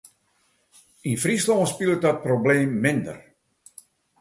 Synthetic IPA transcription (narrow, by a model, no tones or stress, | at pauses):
infrislɔːspilˠt̚dɔt̚probleːmːɪndə̰r